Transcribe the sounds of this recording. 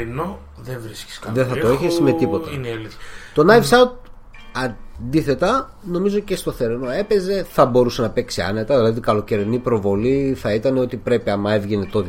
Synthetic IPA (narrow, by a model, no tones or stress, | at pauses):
ino | ðevɾisci̥skɐðeθɐtoeçesme̞t̪ipo̞t̪ɐnlt̪o̞nɐjvsɐt̪̚ː | ɐd̪iθe̞t̪ɐ | no̞mizo̞ce̞st̪o̞θeɾino̞e̞pe̞ze̞θɐbo̞ɾuse̞nɐpe̞ksiɐ̰net̪ɐðilɐðikɐlo̞ce̞ɾenipɾo̞vo̞liθɐit̪ɐneo̞t̪ipɾe̞piɐmɐe̞vʝene̞t̪ot̪